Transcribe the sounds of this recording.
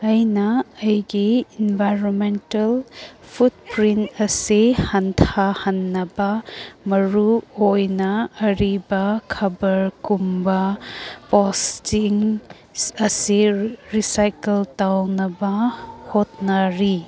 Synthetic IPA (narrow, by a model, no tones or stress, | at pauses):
ɐjnɐːjɡiinbʱajɾonmentɐlpʰut̚pɾintɐsihɐntʰahɐnːɐbɐmɐɾuojnɐɐɾibɐkʰɐbɐɾkumbɐpostiŋ | ɐsiɾisajkeltawnɐbɐhot̚nɐɾi